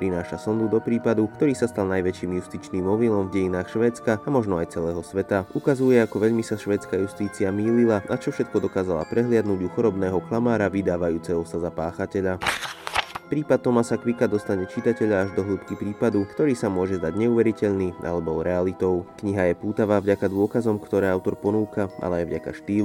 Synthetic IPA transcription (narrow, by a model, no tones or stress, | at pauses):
pɾinaːʃasɔnd̪ud̪ɔpɾiːpad̪ukt̪ɔɾiːsast̪alnajʋɛt͡ʃiːmjust̪iːt͡ʃniːmːɔʋilɔmvɟɛjinaːxʃʋɛːt͡skaamɔʒnɔajt͡sɛlɛːɦɔsʋɛt̪aukazujɛakɔʋɛʎmisaʃʋɛːt͡skajust̪iːt͡siamiːlilanʔat͡ʃɔfʃɛt̪̚kɔd̪ɔkaːzala̰pɾɛɦlɪad̪nuɟuxɔɾɔbnɛːɦɔklamaːɾaʋid̪aːʋajuːt͡sɛɦɔsazapaːxacɛʎa | pɾiːpat̪̚t̪ːɔmasakʋikad̪ɔst̪aɲɛt͡ʃit̪acɛʎaːʒd̪ɔɦluːpkipɾiːpad̪ukt̪ɔɾiːsamʊɔʒɛzd̪aɟɲɛuːʋɛɾicɛʎniːa̰lɛbɔɾɛalit̪ɔʊkɲiɦajɛpuːt̪aʋaːvɟakad̪ʊɔkazɔmkt̪ɔɾɛːaʊt̪ɔɾpɔnuːkaʔa̰lɛajvɟaka̰ʃt̪iː